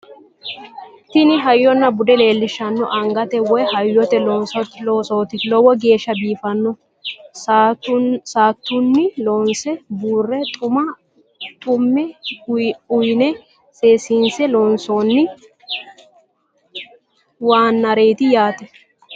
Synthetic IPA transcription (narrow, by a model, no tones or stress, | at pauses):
t̪ɪnɪɦɐjːɔnːɐbʊd̪ɛle̞ːlːɪʃːɐnːɔʔɐŋɡɐt̪ɛwɔjhɐjːɔt̪ɛlɔnsɔt̪loːsoːt̪ɪlɔwɔɡe̞ːʃːɐb̪iːfɐnːɔ | saːt̪ːʊnːɪlɔnsɛbuːrːɛt̪ʼʊmɐ | t̪ʼʊmːɛ | ʊjnɛ | se̞ːsinsɛlɔnsoːnːɪ | waːnːɐɾe̞ːt̪ɪjaːt̪ɛ